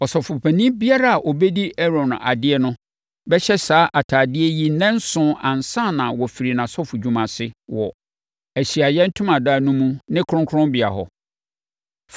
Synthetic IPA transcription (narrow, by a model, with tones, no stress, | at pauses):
ɔ˨sɔ˨fʊ˨pʰæ˨nĩ˦bi˦a˦ɾa˦a˨ʔo˨be˦di˦ʔɛ˦ɾɔ̃˨n˨ʔa˨dɪ˦ɛ˦nʊ̃˦ | bɛ˦ɕɛ˦saː˨˦ʔa˨tʰaː˨dɪ˦ɛ˦ji˦nɛ̃˦n˦sʊ̃˦ʔã˨n˨sã˦˨nã˨wɔ˨fi˨ɾi˨nã˨sɔ˦fʊ˨d͡ʑᶣũ˨mã˨sɪ˦wɔ˨ | æ˨ɕi˨a˨jɛ̃˦n̩˦tʰʊ̃˦mã˨daː˦˨nũ˦mũ˦nɪ̃˦kʰʊ˦ɾʊ̃˦kʰʊ˦ʊ̃˦mbɪ˨a̰˨ɦɔ̰˨ | f